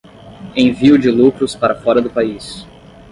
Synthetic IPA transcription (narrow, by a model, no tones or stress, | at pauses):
ẽviʊd͡ʒɪlukɾʊspaɾɐfɔɾɐd̪ʊpais